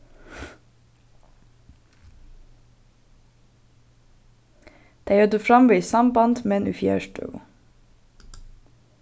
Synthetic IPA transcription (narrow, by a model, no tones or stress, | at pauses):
d̪̥æœːd̪əfɾɑmʋəsɑmbɑnd̪mɛnʉ̰ːfjæ̰ːʃtʉ̰ɡʊ̰